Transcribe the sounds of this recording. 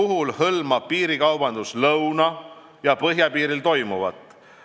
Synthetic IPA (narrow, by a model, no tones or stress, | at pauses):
uɦulhɤlmɑpiːɾikɑwb̥ɑnd̪̥uslɤwnɑ | jɑpɤɦjɑpiːɾilt̪o̞jmuvɑ̰t̪ːˑ